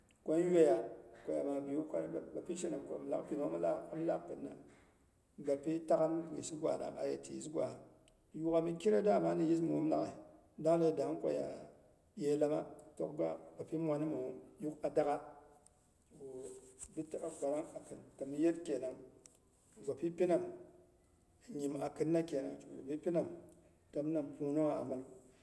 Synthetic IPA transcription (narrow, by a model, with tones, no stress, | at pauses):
kʷo˦n˦we˦ja˨kʷo˨ja̰˨ma˨bi˨ju˦ka˦˨ba˨pi˦ʃe˦na˨mko̰˨m˨la̰˦kpi˨no˨˦ma˦la˦m˦la˦kkɨ˨nːa̰˨ | ɡa˨pi˦ta˦ka˦nwḭ˨si˦ɡʷa̰˨na̰˨a̰˨jḛ˨tḭ˨ji˦ɡʷa̰˨ | ju˦ka˨mi˦ki˦ɾa˦da˦˨ma˦ni˨ji˦s̬mu˨u˦mla˦ka˨ | da˦ŋle˦˨da˨˦kʷo̰˨ja̰˨ | je˦la˦ma̰˦to̰˦k̚ɡa̰˦ba˨pi˦mʷa˨˦ni˦mu˨wo˦mju˦ka˨da˦ka˦ | t͡ʃo˨bi˦ta˦a˨ɡa˨ɾa˦ŋa˨kɨ˨nta˨mi˦je˦tkʲe˨na˨ŋ˨ | ɡa˨pi˦pi˦na˨m˨ | ɲi˨ma˨kɨ˦nːa˦kʲe˨na̰˨ŋt͡ʃo̰˨a˨bi˦pi˦na˨m | ta˨m˦na˨mpu˦no˦ŋa˨a̰˨ma˨l